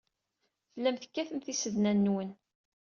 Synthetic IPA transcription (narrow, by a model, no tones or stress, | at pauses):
fəlːæmθə̥kːæθəmθisəðnænːwən